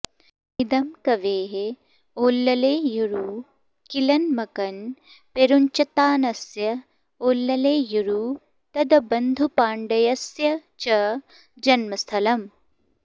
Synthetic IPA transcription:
id̪ɐmkɐʋeːɦe | oːlːɐleːjuɾuː | kilɐnmɐkɐn | peɾuɲt͡ʃɐt̪aːnɐsjɐ | oːlːɐleːjuɾuː | t̪ɐd̪ɐbɐnd̪ʱupaːɳɖɐjɐsjɐt͡ʃɐ | d͡ʒɐnmɐst̪ʰɐlɐm

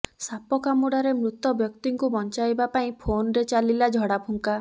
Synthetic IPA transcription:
sapɔkamuɽaɾemɾut̪ɔbjɔkt̪iŋkubɔnt͡ʃajbapaĩpʰonɾet͡ʃalilad͡ʒʱɔɽapʰuŋka

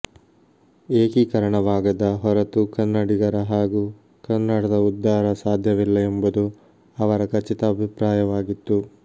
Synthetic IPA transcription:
eːkikɐɾɐɳɐʋaːɡɐd̪ɐɦɔɾɐt̪ukɐnːɐɽiɡɐɾɐɦaːɡuː | kɐnːɐɽɐd̪ɐud̪ːaːɾɐsaːd̪ʱjɐʋilːɐembud̪u | ɐʋɐɾɐkɐt͡ʃit̪ɐːbʱipɾaːjɐʋaːɡit̪ːu

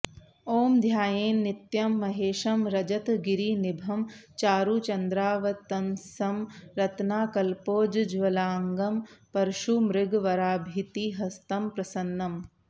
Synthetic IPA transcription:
oːmd̪ʱjaːjeːnːit̪jɐmːɐɦeːʃɐmɾɐd͡ʒɐt̪ɡiɾiːnibʱɐmt͡ʃaːɾut͡ʃɐnd̪ɾaːʋɐt̪ɐnsɐmɾɐt̪naːkɐlpoːd͡ʒd͡ʒʋɐlaːŋɡɐmpɐɾʃumɾɪɡʋɐɾaːbʱit̪iɦɐst̪ɐmpɾɐsɐnːɐm

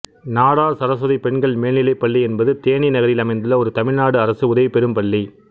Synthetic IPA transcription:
naːɽaːɾsɐɾɐs̬ɐðɐɪpɛɳɡɐɭmeːɳnɪlɐɪpːɐɭːiɛnbɐðɯt̪eːɳinɐɣɐɾɪlɐmɐɪnd̪ɯlɐɔɾɯt̪ɐmɪɻnaːɽɯɐɾɐsɯʊðɐʋɪpːɛɾɯmpɐɭːi

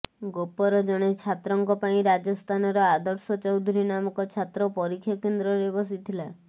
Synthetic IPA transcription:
ɡopɔɾɔd͡ʒɔɽ̃et͡ʃʰat̪ɾɔŋkɔpaĩɾad͡ʒɔst̪ʰanɔɾɔad̪ɔɾsɔt͡ʃɔwd̪ʱuɾinamɔkɔt͡ʃʰat̪ɾɔpɔɾikʰːjɔkend̪ɾɔɾebɔs̬it̪ʰila

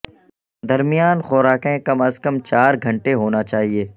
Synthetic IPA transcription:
d̪ɐɾmijaːnxɔːɾaːkẽkɐməzkəmt͡ʃaːɾɡʱɐ̃ɳʈeɦoːnat͡ʃaːɦieː

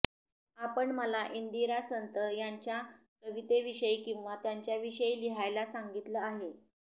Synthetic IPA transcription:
apəɳməlaʔind̪iɾasənt̪əjaɲt͡ɕja | kəʋit̪eʋiɕəjkĩw̃ʋat̪jaɲt͡ɕjaʋiɕəjliɦajlasaŋɡit̪ləaɦe

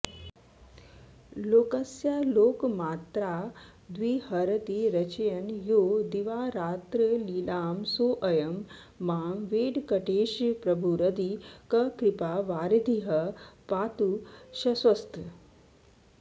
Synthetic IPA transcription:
loːkɐsjaloːkmaːt̪ɾaː | d̪ʋiːhɐɾɐt̪iɾɐt͡ʃɐjɐnjoːd̪iʋaːɾaːt̪ɾəliːlaːmsoːʔɐjɐmː | aːmʋeːɖkɐʈeːʃpɾɐbʱuɾɐd̪ikɐkɾipaːʋaːɾd̪ʱiɦɐpaːt̪uʃɐsʋɐst̪ʰ

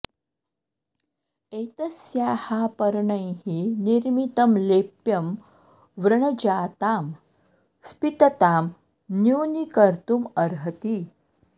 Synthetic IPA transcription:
eːt̪ɐsjaːhaːpəɾɳəjɦiniɾmit̪ɐmleːpjɐm | ʋɾɐɳɐd͡ʑaːt̪aːm | spit̪ɐt̪aːm | njuːnikəɾt̪umɐɾɦət̪i

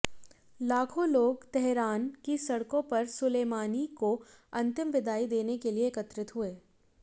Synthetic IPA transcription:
laːkʰoloːɡt̪ɛɦɾaːnkisɐɽkõpɐɾsʊleːmaːnikoɐ̃nt̪ɪmʋɪd̪ʱaːid̪eːnekelieːkət̪ɾɪt̪ɦʊeː

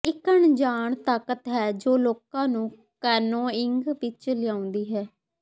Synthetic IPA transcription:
ɪkəɳd͡ʒaːɳt̪aːkət̪ɦɛːd͡ʒoːloːkãːnũː | kɛːnõːɪŋɡʋɪt͡ʃlɪjãːʊ̃nd̪iːɦɛː

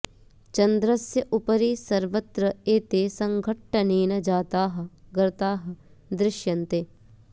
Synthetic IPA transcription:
t͡ʃɐnd̪ɾɐsjɐʔʊpɐɾiːsɐɾʋɐt̪ɾɐeːt̪eːsɐ̃ŋɡʱɐʈːɐniːnɐd͡ʒaːt̪aːɦɐ̆ɡɐɾɐt̪aːɦɐ̆ | d̪ɾɪʃjɐnt̪eː

